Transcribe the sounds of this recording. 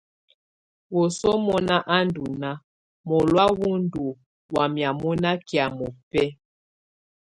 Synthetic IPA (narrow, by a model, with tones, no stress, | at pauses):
wɔ˨sɔ˦mɔ˦na˦ʔa˦ndu˨na˦ | mɔ˨lwa˦wu˦n˦du˨ | wa˨mja˨mɔ˦na˦ki˨a˨mɔ˨pɛ˦